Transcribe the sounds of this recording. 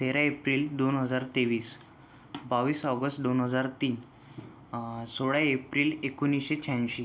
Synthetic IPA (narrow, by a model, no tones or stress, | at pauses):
t̪ʰeɾaepɾiːld̪onɦəd͡zaɾt̪eʋiːs | baʋiːsəɡəsʈd̪onɦəd͡zaɾt̪iːn | soɭaepɾiːlekunːisɕet͡ɕʰãnɕi